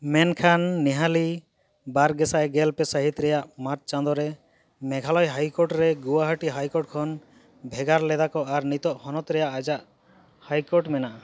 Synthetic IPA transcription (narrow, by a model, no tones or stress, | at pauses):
mɛnkʰanːiɦali | baɾɡɛsaɛɡɛlpɛsaɦit̪ɾɛjaʔmaɾt̪̚t͡ʃand̪ɔɾɛ | mɛɡʱalɔjɦajkɔɾʈɾɛɡuwaɦaʈiɦajkɔɾʈ̚kʰɔn | bʱɛɡaɾlɛd̪akɔʔaɾnit̪ɔʔhɔnɔt̪ɾɛjaʔad͡ʒaʔ | hajkɔɾʈmɛnaʔa